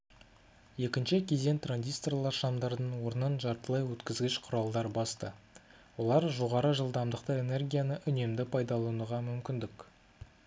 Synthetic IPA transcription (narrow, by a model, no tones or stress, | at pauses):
je̞kʲɪnʃɪkʲʰe̞ze̞nt̪ranzʲist̪orlˠɑɾʃɑmd̪ɑɾd̪ənwo̞ɾənənʒɑɾt̪əlˠɑjwɵt̪kʲɪzɡʲɪʃqʰʊɾɑlˠd̪ɑɾbɑst̪ə | wo̞lˠɑɾʒo̞ʁɑɾəʒəlˠd̪ɑmd̪əq̚t̪əe̞ne̞rɡʲijanəʔʏne̞md̪ɪpʰɑjd̪ɑlˠunəʁɑmʏmkʲɪnd̪ɪk